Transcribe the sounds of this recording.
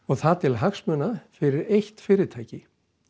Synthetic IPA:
ɔɣθat̪ʰɪlɦaxsmœːnafɪɾɪɾejht̪fɪːɾɪt̪ʰaːjcɪ

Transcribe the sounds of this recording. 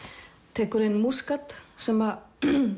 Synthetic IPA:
t̪ʰɛːkʏɾɪnːmuskat̪sɛma

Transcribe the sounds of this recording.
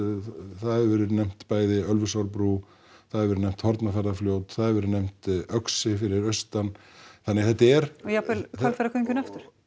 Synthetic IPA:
θaðɾvɛːɾɪɾnem̥t̪paːjðɪœlvʏsawɾpɾu | θaðɾvɛɾnɛjm̥t̪hɔɾt̪nafɛɾðafljoːwt̪θaðɾvɛɾɪɾnem̥t̪œksɪfɪɾɪɾœɥst̪anθanːɪɣθɛt̪ːɛɾ̥ɔjapɛlalfɛɾakʰœɲcʏnaft̪ʏɾ̥

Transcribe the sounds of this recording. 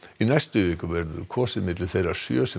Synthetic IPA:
inajst̪ʏvɪːkʏvɛɾðʏ̰kʰɔːsɪðmɪt̪lɪθejɾaɾ̥sjœːsɛ

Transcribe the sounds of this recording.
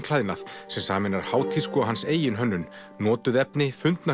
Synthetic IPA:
kʰlajðnaθsɛmsaːmɛnaɾ̥haːwt̪ʰɪlskɔaɦanseːjɪnɦœnːʏn | nɔːt̪ʏðɛpnɪfʏnt̪na

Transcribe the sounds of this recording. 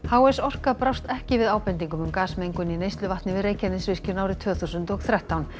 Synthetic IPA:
hawɛsɔr̥kaðpɾawst̪ɛhcɪvɪðaːwpɛnt̪̬iŋkʏmʏmkaːsmejŋkʏninejst̪lʏvaht̪nɪvɪðreːjcʰɛnɪsvɪscɪɾnaːwɾɪt̪ʰvʏːθuwsʏnt̪ɔɣθɾɛht̪awn

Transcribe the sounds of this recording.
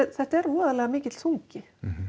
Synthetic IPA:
ɛθɛht̪ɛɾɔːðalɛːɣamɪːcɪt̪l̥suŋcɪ

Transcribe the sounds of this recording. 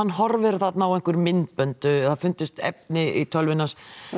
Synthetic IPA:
anːɦɔɾvɪɾ̥θat̪nawɛŋ̥kʏɾmɪnt̪̚pœnt̪ʏθafʏnt̪ʏst̪ɛ̰p̚nɪʔit̪ʰœlvɪnːas

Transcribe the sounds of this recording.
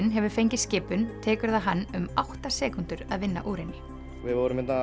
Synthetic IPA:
nɦɛvʏɾ̥fejɲcɪscɪːpːʏnt̪ʰɛːkʏɾðaɦanːʏmawht̪asɛːkʏnt̪ʏɾaðvɪnːa̰ʔuːɾɪnːɪ | vɪðvɔwɾʏmɛnt̪na

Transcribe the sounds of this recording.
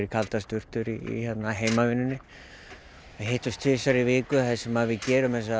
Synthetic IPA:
ɾɪkʰalt̪ast̪ʏr̥t̪ʏɾiḭçɛt̪naɦeːjmavɪnːʏnːɪ | aɦejht̪ʏst̪ʰfɪsaɾɪvɪːkʏθɛsɛmaðvɪðcɛːɾʏmɛsa

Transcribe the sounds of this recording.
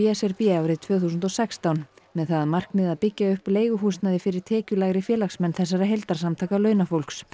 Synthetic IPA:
jɛsɛɾpiːawɾɪt̪ʰvœːθusʏnt̪ɔsɛkst̪awnmɛðθaðaðmar̥kmɪðaðpɪcːaʏhpleːjɣʏɦusnaðɪfɪɾɪɾ̥t̪ʰɛːcʏlaːɣɾɪfjɛːlaksmɛnːθɛs̬ːaɾaɦejlt̪aɾ̥samt̪ʰaːkalœːɥnafowl̥ks

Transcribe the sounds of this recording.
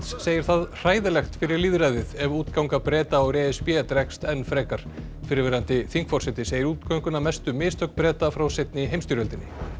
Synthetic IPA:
t̪sseːjɪɾ̥θaðr̥aːjðɪlɛxt̪fɪɾɪɾliːðɾajðɪðɛvuːt̪kawŋkapɾɛːt̪aɔwɾɛːɪspjɛɛt̪ɾɛkst̪ɛnːfɾɛːkaɾ̥ | fɪɾɪɾvɛːɾant̪ɪθiŋkfɔɾ̥sɪt̪ːɪseːjɪɾuːt̪kʰœŋkʏnamɛst̪ʏmɪːst̪ʰœkpɾɛːt̪afɾawset̪̚nɪɦejmst̪iɾœlt̪ɪnːɪ

